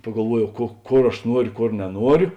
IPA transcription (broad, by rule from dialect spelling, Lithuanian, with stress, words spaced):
pɐɡɐlˠˈʋuɔˌjɛʊ koː ˈkoːr ɐʃ ˈnuɔrʲʊ ˈkoːr nʲɛˈnuɔrʲʊ